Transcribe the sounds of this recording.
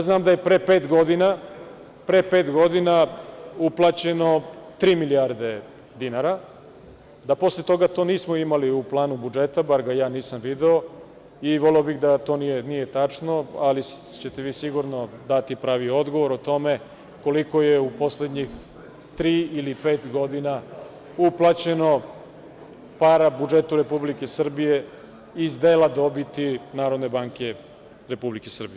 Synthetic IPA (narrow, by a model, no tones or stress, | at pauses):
jaznaːmd̪aje̞pɾepe̞ːt̪ɡo̞d̪ina | pɾepe̞ːt̪ɡo̞d̪inauplˠaːt͡ɕe̞no̞t̪ɾiːmiliaɾd̪e̞ | d̪inaɾa | d̪apo̞slet̪o̞ɡat̪o̞ːniːsmoimaliuplˠaːnubud͡ʒe̞t̪abaɾɡajaːniːsamʋid̪eo | iʋo̞leobiɣd̪at̪o̞ːnijenije̞t̪at͡ʂno̞alit͡ɕe̞t̪eʋiːsiɡuɾno̞d̪at̪ipɾaːʋio̞d̪ɡo̞ʋo̞ɾot̪o̞me | ko̞liko̞jeupo̞sle̞d̪ɲix | t̪ɾiːilipe̞ːt̪ɡo̞d̪ina | uplˠat͡ɕe̞no̞ | paɾabud͡ʒe̞t̪uɾe̞publike̞sr̩bije̞ | izd̪eːlad̪o̞bit̪inaːɾo̞d̪ne̞baːŋke̞ | ɾe̞publikesr̩bije